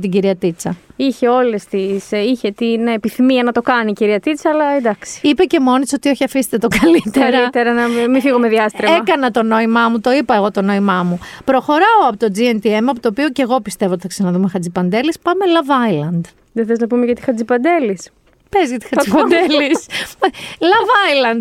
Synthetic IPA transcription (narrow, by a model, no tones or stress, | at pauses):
t̪iɟiɾiɐt̪it͡sɐiçe̞o̞lest̪isiçet̪inepiθimiɐnɐt̪o̞kɐniciɾiɐt̪it͡sɐːlɐed̪ɐksi̥ipece̞mo̞nit̪so̞t̪io̞çiɐfist̪e̥t̪et̪okɐlit̪elɾɐit̪eɾɐnɐmifiɣomeðiɐst̪ɾeeɐkɐnɐt̪o̞no̞imɐmut̪o̞ipɐeɣo̞t̪o̞no̞imɐmupɾo̞xo̞ɾɐoɐpot̪o̞d͡zient̪ie̞mɐpot̪oːpioce̞ɣo̞pist̪e̞voot̪i̥θɐksɐnɐðumexɐt͡sipɐnd̪e̞lispɐme̞lɐvɐjlɐnd̪ | ðeθeleznɐpumeʝɐt̪i̥xɐt͡sipɐnd̪elis | pezɣɐt̪i̥xɐzipɐd̪elis | lɐvɐjlɐnd̪